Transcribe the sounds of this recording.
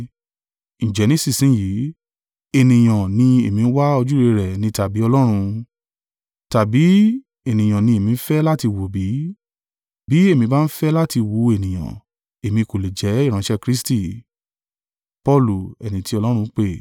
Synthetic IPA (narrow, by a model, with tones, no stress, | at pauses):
ñ̩˨d͡ʒɛ˨˦nĩ˦si˦˨sĩ˨˦ji˨˦ | e˨nĩ˨j̃ã˨nĩ˧e˨mĩ˧n̩˦wa˦ɔ˧d͡ʒu˦ɾe˧ɾɛ˨nĩ˧˦ta˨bi˨˦ɔ˧lɔ˦ɾ̃ũ˧ | ta˨bi˨˦ | e˨nĩ˨j̃ã˨nĩ˧e˨mĩ˧˦fɛ˦la˦ti˧wo˨bi˨˦ | bi˨˦e˦˨mĩ˧˦ba˦n̩˦fɛ˦la˦ti˧wu˨˧˦e˨nĩ˨j̃ã̰˨ | e˨mĩ˧ko˨le˨d͡ʒɛ˨˦i˦˨ɾ̃ã˨˦ʃɛ˦kɾi˦sti˦˨ | pɔ˦˨lu˨ɛ˨nĩ˨ti˧˦ɔ˧lɔ˦ɾũ˧˦k͡pe˦˨